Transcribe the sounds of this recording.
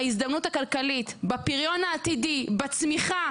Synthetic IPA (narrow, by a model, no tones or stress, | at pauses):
izd̪amnutakalkalitbapiʁjo̞naːtidibat͡smiχa